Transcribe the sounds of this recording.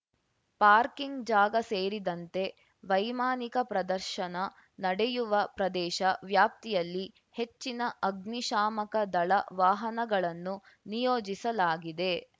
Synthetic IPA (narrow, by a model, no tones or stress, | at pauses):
paːɾkiŋɡd͡ʒaːɡɐseːɾid̪ɐnt̪e̞ | ʋɐjmaːnikɐpɾɐd̪ɐɾʃɐnɐ | nɐɽɛjuʋɐpɾɐd̪ɛːʃɐʋjaːp̚t̪ijɐlːi | he̞t͡ʃːinɐʔɐɡniʃaːmɐkɐd̪ɐɭɐʋaːɦɐnɐɡɐɭɐnːu | nijoːd͡ʒisɐlaːɡid̪e̞